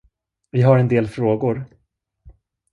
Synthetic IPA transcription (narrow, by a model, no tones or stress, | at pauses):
vɪɦaɾɛnd̪eːlfɾoːɡʊɾ